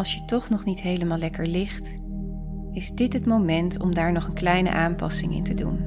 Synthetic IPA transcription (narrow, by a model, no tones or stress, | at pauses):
ɑlˠsjətɔχnɔχnitɦejləmaːlɛkəɹlɪχt | ɪzdɪtɦətmowmɛntɔ̰mdaːɹnɔχənklɛjnə̰ʔaːmpɑ̰sɪŋɪ̰ntədṵn